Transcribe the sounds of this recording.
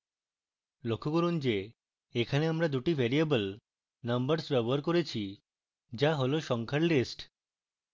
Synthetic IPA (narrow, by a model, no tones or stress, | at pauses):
lokʰːokoɾund͡ʑe | ekʰaneamɾad̪uʈibʱɛɾiebəl | nɐmbəɾsbɛboɦaɾkoɾet͡ɕʰi | d͡ʑaɦoloʃɔŋkʰaɾlisʈ